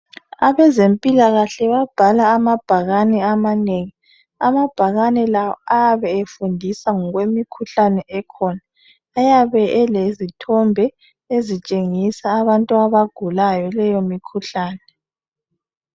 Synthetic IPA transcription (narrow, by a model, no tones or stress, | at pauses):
aβɛzempʼilaɣaɬɛβab̥ʱalaːmab̥ʱaɣanɛamaneːŋi | amab̥ʱaɣanɛlawɔajaβɛefundʱisaŋɔɣwemikʰuɬanɛʔɛkʰɔnaː | jaβɛʔɛlezitʰɔmbʱɛ | ezit͡ʃʼeŋisaːβantʼuaβaɡ̥ʱulajɔlɛjomikʰuɬaːnɛ